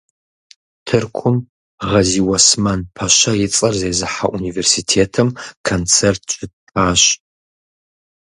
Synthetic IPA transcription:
tʰɨrkʷʰʊm | ʁɐziːwɐsmɐnpʰɐɕɐjɪt͡sʼɐrzeːzɨħaʔuniversitʰeːtʰɨmkʰɐnt͡sʰertʰt͡ʃʼɪtʰaːɕ

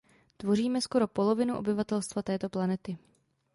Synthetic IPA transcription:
t̪vo̞riːmɛsko̞ɾo̞po̞lo̞vɪnuʔo̞̰bɪvat̪ɛlst̪vat̪ɛːt̪o̞planɛt̪ɪ

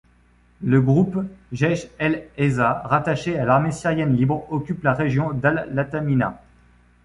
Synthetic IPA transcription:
ləɡʁupʒɛʃɛlɛzaʁat̪aʃealaʁmesiʁjɛnlibʁɔkʲyplaʁeʒjɔ̃d̪alːat̪amina̰

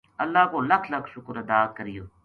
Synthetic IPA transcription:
əlːaːkoːlɐkʰləkʰʃʊkɾəd̪aːkəɾɪjoː

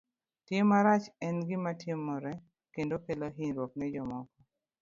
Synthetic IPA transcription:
temːaɾat͡ʃɛnɡɪmatɪmːɔɾɛ | kendokeloɦiɲɾwoknɛd͡ʒɔmɔkɔ

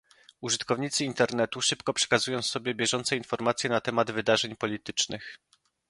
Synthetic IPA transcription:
uʐɘt̪kɔvɲit̪sɘint̪ɛɾnɛt̪uʂɘpkɔpʂɛ̥kazujɔ̃w̃sɔbʲjɛbʲjɛʐɔnt̪sɛinfɔɾmat̪sʲjɛnat̪ɛmad̪vɘd̪aʐɛɲpɔlʲit̪ɘt͡ʂnɘx

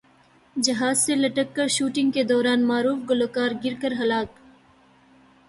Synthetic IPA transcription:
d͡ʒɐɦaːzselɐʈəkːɐɾʃuːʈɪ̃ŋɡked̪ɔːɾaːnmaːɾuːfɡʊloːkaːɾɡɪɾkəɾɦɐlaːk

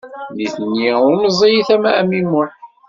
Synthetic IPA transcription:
niθənːiʊɾnəzˤijiθæmææmimːʊħ

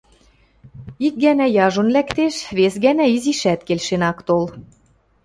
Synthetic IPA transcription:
ik̚ɡænæjɑʒŏnlækt̪eʃβesɣænæiziʃæt̪kelʃenɑkt̪ol

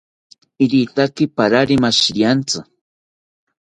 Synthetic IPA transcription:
ɪɾit̪akɪpaɾaɾɪmaʃɾjant͡sʊ

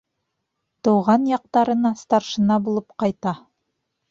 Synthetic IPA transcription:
t̪ɤ̆wʁɑnjɑq̚t̪ɑɾɤ̆nɑst̪ɑɾʃɤ̆nɑbulˠɤpqɑjt̪ɑ

